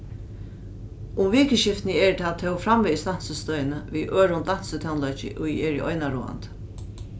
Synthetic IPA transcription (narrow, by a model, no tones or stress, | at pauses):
ʊmviːkəʃɪft̪nəɛɹt̪ʰat̪ʰɛwfɾamvɛist̪an̥səst̪œjnəʋiːʔøːɹʊnd̪an̥sət̪ʰawnlœt͡ʃɪ̰ʔʊiɛɹiʔɔjnaɾuːa̰nt̪